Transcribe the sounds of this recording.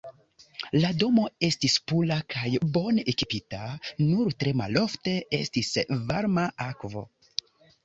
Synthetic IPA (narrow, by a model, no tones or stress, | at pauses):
lado̞mo̞e̞stispulakʰajbo̞nʔekipitanuɾtɾe̞ma̰lo̞fte̞e̞̰stisvaɾmaʔakvo̞̰